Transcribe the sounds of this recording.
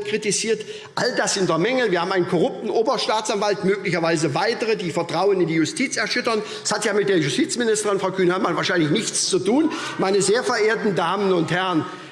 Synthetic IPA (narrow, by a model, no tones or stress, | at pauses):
kʁ̥itiziːɐt | ʔaldasɪntɐmɛŋəviːaːbm̩ʔaɪnənkʰɔʁʊp̚tn̩ʔoːbɐʃtaːt͡sanvaltmøːklɪçɐvaɪzəvaɪtəʁədiːfɛɐtʁ̥aʊənɪndiːjʊstʰiːt͡sɛɐʃʏtɐn | shatjaːmɪt̚d̥eːɐjʊstiːt͡smɪnɪstəʁɪnfʁaʊkʰyːnəhamanvaːɐʃaɪnlɪçnɪçt͡st͡sutuːnmaɪnəzeːɐfɛɐʔeːɐtn̩daːmənʊnthɛʁn